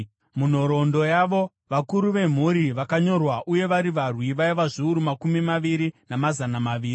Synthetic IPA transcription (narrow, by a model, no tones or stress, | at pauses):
mun̤o̞ɾo̞ndo̞jaʋo̞ | ʋakuɾuʋe̞m̤uɾiʋakaɲo̞rwaʔuje̞ʋaɾiʋarwiʋaiʋaʐiuɾumakumimaʋiɾinamazanamaʋiːri